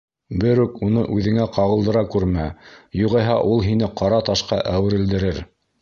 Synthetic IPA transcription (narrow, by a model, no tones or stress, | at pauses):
bɘɾʉkunɤʔʉðɘ̆ŋæqɑʁɤ̆lˠd̪ɤ̆ɾɑkʉɾmæjuʁɑjɦɑʔulˠɦinɘqɑɾɑt̪ɑʃqɑʔæwɘ̆ɾɘ̆ld̪ɘ̆ɾɘɾ